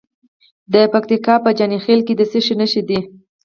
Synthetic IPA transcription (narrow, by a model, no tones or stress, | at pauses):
d̪əpak̚t̪ikɑpəd͡ʒɑnixelked̪əseʃinəʃid̪i